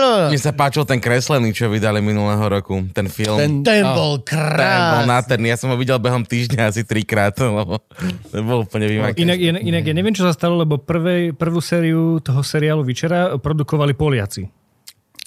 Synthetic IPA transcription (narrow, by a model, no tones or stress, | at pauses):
mɛsapaːt͡ʃilt̪ɛnkɾɛslɛniːt͡ʃɔʋid̪aliminulɛːɦɔɾɔkut̪ɛnfilˠmt̪ɛnbɔlkɾɛaɔlnat̪ɛɾnijasɔmɦɔʋiɟɛlbɛɦɔmt̪iːʒɲaasit̪ɾikɾaːt̪lɛbɔɲɛbɔlupl̩ɲɛʋimakinaɡnaɡinaɡjaɲɛʋɪɛmt͡ʃɔsast̪alɔlɛbɔpr̩ʋɛjpr̩ʋuːsɛːɾiut̪ɔɦɔsɛɾiaːluʋit͡ʃɛɾapɾɔd̪ukɔʋalipɔlɪat͡si